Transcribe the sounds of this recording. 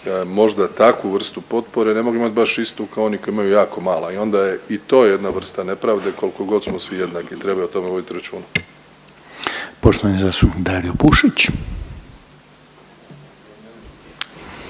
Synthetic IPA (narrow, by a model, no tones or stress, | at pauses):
mo̞ʒd̪at̪akʋuʋr̩st̪upo̞t̪po̞ɾe̞ne̞moɡuimat̪̚ʲbaʃist̪ukaoonikoiimajujaːko̞maːlaio̞nd̪aje̞it̪o̞ːje̞d̪naʋr̩st̪ane̞pɾaʋd̪e̞ko̞liko̞ɡo̞d̪smosʋije̞d̪nakit̪ɾe̞bajuot̪o̞me̞ʋo̞d̪it̪iɾat͡ʃuːna | poʃt̪oʋanizasuid̪aɾiopuʃit͡ɕ